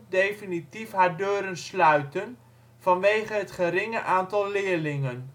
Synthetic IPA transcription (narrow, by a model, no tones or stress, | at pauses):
dejfinitifɦaːɹdøːɾənslœɥtən | v̥ɑnʋejχəɦətχəɾɪŋəʔaːntɑlˠlɪːɹlɪŋən